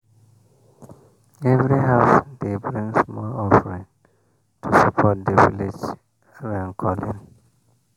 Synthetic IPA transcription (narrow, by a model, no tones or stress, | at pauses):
ɛvɹiɦaʊsd̪ebɹĩŋsmɔlɔfəɹĩŋ | tʰusapʰɔt̚d̪əvḭlid͡ʒ | ɹãnkʰɔlḭ̃n